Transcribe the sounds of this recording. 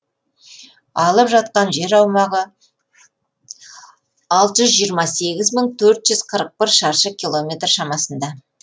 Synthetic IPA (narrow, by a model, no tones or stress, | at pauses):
ɑlˠəpʒɑt̪̚qɑnʒe̞ɾɑwmɑʁə | ɑlˠt̪əʒʏzʒijəɾmɑse̞ɡʲɪzməɴt̪ʰɵɾt̪ʒ̥ʏz̥qʰəɾəq̚pɪɾʃɑɾʃəkʲilˠo̞mʲe̞t̪rʃɑmɑsənd̪ɑ